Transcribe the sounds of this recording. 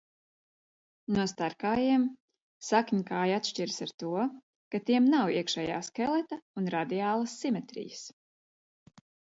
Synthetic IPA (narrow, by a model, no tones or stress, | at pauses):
nuɔst̪aɾkaːjiɛm | sakɲukaːjat̪ʃt͡ʃiɾsaɾt̪uɔ | kat̪iɛmnawiɛkʃɛːja̰ːskɛlˠɛt̪aunɾad̪iaːlˠɐsːimɛt̪ɾḭjəs